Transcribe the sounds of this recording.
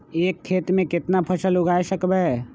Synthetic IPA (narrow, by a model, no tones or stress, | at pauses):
eːkʰːeːt̪mẽkɪt̪napʰɐʃəlʊɡaːeʃəkbɛ